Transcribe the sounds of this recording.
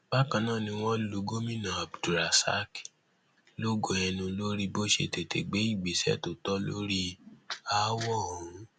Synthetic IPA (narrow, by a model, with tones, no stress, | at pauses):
b̥a˦kã˧nãː˦˨nĩ˧w̃ɔ̃˦lo˨˧ɡo˦mĩ˦nã˨a˨bdu˨ɾa˨sa̰˦k | lo˦ɡo˨˦ɛ˧nũ˧lo˦ɾi˧bo˦ʃḛ˧˨te˨te˨ɡ͡be˨˦i˦˨ɡ͡bi˨˦sɛ̰˦˨to˨tɔ˦lo˦ɾi˦a˦wɔ˦˨ũ˨˦